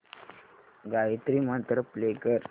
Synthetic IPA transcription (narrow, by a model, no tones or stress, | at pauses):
ɡait̪ɾimat̪ɾəplekəɾ